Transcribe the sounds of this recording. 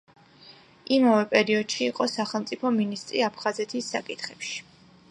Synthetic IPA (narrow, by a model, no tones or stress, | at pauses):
ʔimavɛpʼɛɾiɔd̪̥ʃiːqʼɔsaχɛlˠmt̪sʼipʰɔminist̪ʼɾiapʰχazɛt̪ʰisːakʼit̪ʰχɛpʃi̥